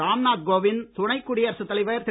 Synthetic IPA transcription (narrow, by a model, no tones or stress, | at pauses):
aːmnaːt̪̚ɡoːʋɪnt̪ʊɳɐɪkːuɽɪjɐɾɐsɯt̪ːɐlɪʋɐɾt̪ɪ